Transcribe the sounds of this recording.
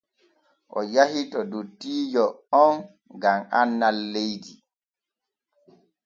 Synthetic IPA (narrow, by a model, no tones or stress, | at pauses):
ʔɔ̰jahitɔdutːiːd͡ʒɔɔn | ɡamanːalːejdi